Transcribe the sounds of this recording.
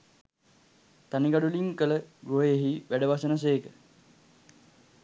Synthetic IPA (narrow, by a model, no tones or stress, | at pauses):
t̪aniɡaɖuliŋkələɡɾoɦejeɦiʋæɖəʋasənəs̬eːkə